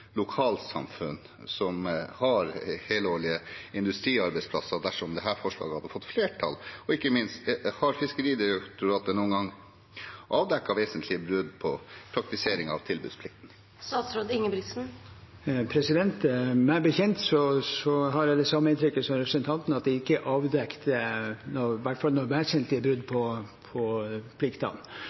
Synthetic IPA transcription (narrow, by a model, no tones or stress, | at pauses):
lʊkʰɑːlsɑ̰mfʉ̰n | sɔmhɑɾheːloːɭɪəɪnd̪ʉst̪ɾiːɑɾbɛɪsplɑsːəd̪æʂɔmɔmd̪ɛɦæːɾfɔʂɭɑ̰ːɡəhɑd̪ːəfɔt̪ːfleːʈʰɑ̰lɔɪkːəmɪnst̪hɑɾfɪskəɾiːd̪ɪɾɛkt̪ʊɾɑːt̪əɳuːənɡɑŋː | ʔɑːʋd̪ɛkːɑʋeːsənt̪ʰlɪəbɾʉd̪pʰɔpʰɾɑk̚t̪ɪseːɾɪŋɑ̰ʋt̪ʰɪlbʉ̰ːspʰlɪk̚t̪n̩ | st̪ɑːt̪sɾoːd̪ɪŋːəbɾɪt̪sn̩ | pʰɾɛsɪd̪ɛnt̪mæɪbəçɛnt̪sɔsɔɦɑɾɛd̪ɛsɑmːəɪnt̪ʰɾʏkːəsɔmɾɛpɾsənt̪ʰɑnt̪n̩ɑt̪̚d̪ɛɪkːəʔɑːʋd̪ɛkt̪ənɔʋæʈːfɑlnɔɾʋæsənt̪ʰlɪəbɾʉd̪pʰɔpʰɔpʰlɪkt̪ɑ̰n